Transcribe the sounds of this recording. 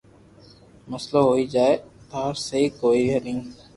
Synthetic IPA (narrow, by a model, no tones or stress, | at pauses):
məsloːɦoːiːd͡ʒaːeːt̪aːɾseiːkoːiːʋʱeːɾĩː